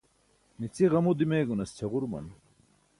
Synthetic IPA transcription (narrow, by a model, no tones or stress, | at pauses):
nit͡siʁɐmud̪imeːɡunɐst͡ɕʰɐʁuɾmɐ̰n